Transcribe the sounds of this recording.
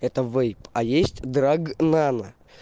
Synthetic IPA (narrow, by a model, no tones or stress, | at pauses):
ɛt̪əvɛjpajesʲtʲd̪ɾaɡnanə